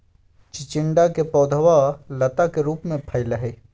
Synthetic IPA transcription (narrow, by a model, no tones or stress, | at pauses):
t͡ʃɪt͡ʃɪɳɖakepɔʊd̪ʱəʋalət̪akeɾuːpmẽpʰəɪləɦe